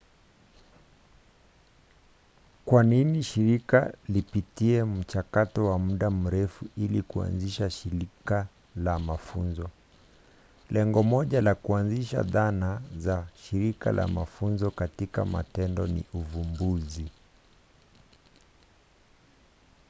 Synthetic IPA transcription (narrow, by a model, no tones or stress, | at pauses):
kwaniniʃiɾika̰lipitiɛm̩t͡ʃakatɔwamuɗam̩ɾɛfuilikua̰nziʃaʃiɾika | lamafunzɔ | lɛŋɡɔmɔʄalakuanziʃa̰ðanazaʃiɾika̰lʔa̰mafunzɔkatika̰ma̰tɛndɔnḭuvumbuzi